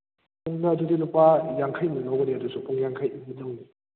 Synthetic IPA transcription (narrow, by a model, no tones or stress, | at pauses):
pʰuŋnɐdudilupajaŋkʰajmɐnawɡɐniɐdusupʰuŋjaŋkʰajmidɯŋni